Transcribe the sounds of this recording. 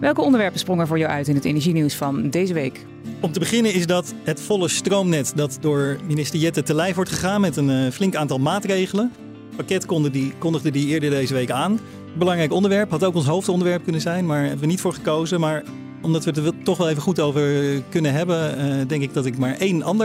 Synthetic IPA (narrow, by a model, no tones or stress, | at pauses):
ʋɛlˠkəɔndəʋɛɹpənsprɔŋɛɹvʊːɹjawʔœ̰ɥtɪnɦətḛjnɛɹʒiniwsfɑndejzəʋejk | ɔmtəbəχɪnənɪzdɑt | ɦətfɔləstrowmnɛtdɑtdʊːɹminɪstəɹjɛtətəlɛjfʋɔɹtχəχaːnmɛtənflɪŋkaːntɑlˠmaːtrejχələn | pakɛtkkɔndəχdədiɪːɹdəɹdejzəʋejkaːn | əd̚bəlɑŋrɛjkɔndəɹʋɛɹpɦɑtowkɔns̬ɦowftɔndəɹʋɛɹp̚kɵnənzɛjnmaːɹɦɛbəʋənitfʊːɹχəkowzəmaːɹ | ɔmdɑtʋədətɔχʋɛlˠejvəχutowvəɹkɵnənɦɛbəndɛŋkɪɡ̚dɑtɪkmaːɹʔejnɑ̰ndə